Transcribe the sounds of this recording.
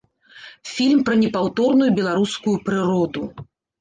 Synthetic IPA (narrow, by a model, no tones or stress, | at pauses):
fʲilʲmpɾɐnʲɛpawt̪ɔrnujubʲɛlˠaɾuskujupɾɨɾɔd̪u